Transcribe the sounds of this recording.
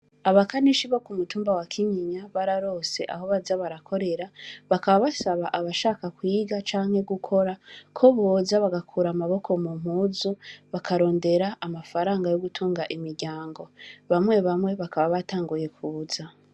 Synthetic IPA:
aβakaniʃiβo̞kumutuːmbawakʰiɲiɲaβaɾaɾo̞ːse̞̰ʔa̰ho̞βazaβaɾakʰo̞ɾe̞ɾaβakaβaβasaβaʔaβaʃaːkakwiːɡat͡ʃaːŋ̥he̞ɡukʰo̞ɾakʰo̞βoːzaβaɡakʰuɾamaβo̞kʰo̞mum̥huːzuβakʰaɾo̞ːnde̞ɾaʔamafaɾaːŋɡajo̞ɡutʰuːŋɡaʔimiɾɟaːŋɡo̞βamwe̞βamwe̞βakaβaβataːŋɡuje̞kuza

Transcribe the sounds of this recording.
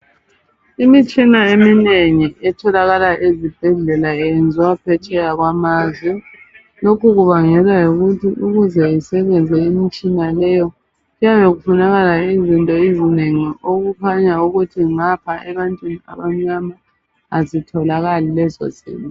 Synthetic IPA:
imit͡ʃʼinaemineŋiʔɛtʰɔlaɣalaʔezib̥ʱɛɮɛlaɛɛnd͡zʱiwapʰɛt͡ʃʼɛɣaɣwamaːzwɛ | lokuɣuβaŋɛlwajuɣutʰiʔuɣuzɛisɛβɛnd͡zʱɛimit͡ʃʼinalɛjɔ | ɣujaβɛɣufunaɣalaizintʼɔizineŋiʔoɣukʰaɲauɣutʰiŋapʰaʔɛβantʼwinia̰βam̩ɲamaː | zitʰɔlaɣalilɛzɔ̰zḭːlɔ

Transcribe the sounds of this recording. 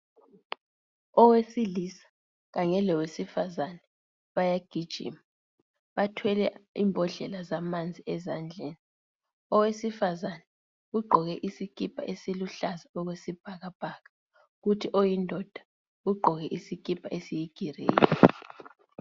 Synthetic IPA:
ɔwesilisḁ | ɣaŋɛlɛwesifazanɛ | βajaɡ̥ʱid̥ʒ̥ʱḭma | βatʰwɛlɛiːmbʱɔɮɛlazamand͡zʱiɛzand͡ɮʱeːni | ɔwesifazanɛ | ɣuɡ͡ǃʱɔɣɛʔisik̬ʰʼipʰa̰ʔesiluɬazaɔɣwesib̥ʱaɣab̥ʱaːɣa | ɣutʰiʔɔjindʱɔd̥ʱa | ɣuɡ͡ǃʱɔɣɛʔisik̬ʰʼipʰaʔesijiɡ̥ʱirḛːjɔ

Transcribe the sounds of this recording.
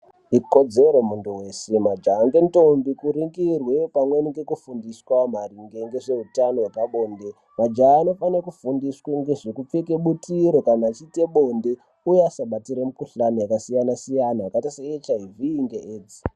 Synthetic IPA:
ikod͡zeɾomuntuwe̞semad͡ʒaːŋɡe̞nto̞mbikuɾiŋɡirwe̞pamweniɡe̞kufundiswamariŋɡe̞ŋɡe̞ʐe̞utano̞we̞paɓo̞ːnde̞ | mad͡ʒaːno̞fanekufundisweŋɡeʐekup͡feke̞ɓutiɾo̞kanaːt͡ʃite̞ɓo̞nde | ujeasaɓatiɾemukuɬanojakasijanasijanaakatiseet͡ʃaivʱiːŋɡeʔeːd͡zi̥

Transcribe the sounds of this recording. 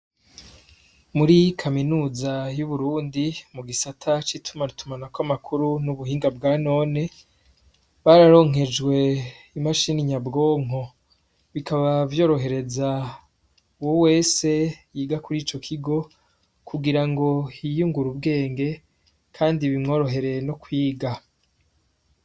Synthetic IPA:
muɾikʰaminuːzajuβuɾuːndimuɡisatʰat͡ʃitʰumanitʰumanakwamakʰuɾunuβuɦiːŋɡab̚ɡaːno̞ːne̞ | βaɾaɾo̞ːŋɦe̞d͡ʒɡwe̞ | imaʃiniɲabɡo̞ːŋ̥o̞ | βikʰaβavjo̞ːɾo̞ɦe̞ɾe̞za | uwowe̞ːse̞jiːɡakuɾiːt͡ʃo̞kʰiɡo̞ | kuɡiɾaŋɡo̞hijuŋɡuɾubɡe̞ːŋɡe̞ | kʰaːndiβimŋo̞ːɾo̞ɦe̞ɾe̞no̞kwiːɡa

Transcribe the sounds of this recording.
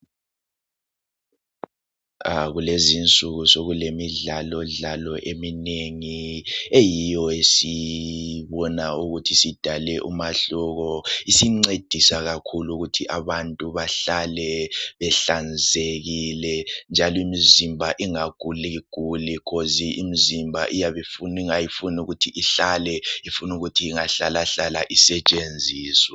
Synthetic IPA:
aɣulezint͡sʼuɣusoɣulemiɮalɔɮalɔʔemineŋiejijɔesi | βɔnauɣutʰisid̥ʱalɛʔumaɬɔɣɔisiŋ͡ǀed̥ʱisaɣakʰuluɣutʰiʔaβantʼuβaɬalɛβɛɬand͡zʱeɣilɛnd͡ʒʱalɔimizimbʱaʔiŋaɡ̥ʱuliɡ̥ʱulikʰoziʔimizimbʱa̰ʔijaβɛfuniŋajifunuɣutʰiʔiɬalɛifunuɣutʰiːŋaɬalaɬalaʔisɛt͡ʃʼend͡zʱiːswa

